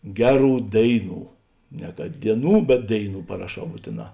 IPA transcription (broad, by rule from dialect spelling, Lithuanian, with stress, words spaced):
ˈɡʲæːˌruː ˈdʲeːɪˌnuː nʲɛ kɐt dʲiɛˈnuː bʲɛt ˈdʲeːɪˌnuː pɐrɐˈʃɐʊ ˈbuːtʲeːˌnɑː